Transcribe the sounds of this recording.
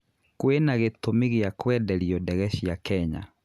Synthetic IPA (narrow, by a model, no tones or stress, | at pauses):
kwenaɣetomeɣeakwɛdɛɾiɔdɛɣɛɕjakɛɲa̰